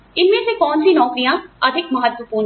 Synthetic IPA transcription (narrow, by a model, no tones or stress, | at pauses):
ɪnmẽsekɔːnsinɔːkɾijãɐd̪ʱɪkmɐɦət̪wəpuː